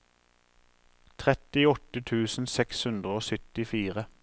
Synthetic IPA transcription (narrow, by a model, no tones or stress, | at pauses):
t̪ʰʁɛt̪ɪɔt̪ət̪ʰʉːsn̩sɛkshʉnd̪ʁəoːsʏt̪ɪfiːʁə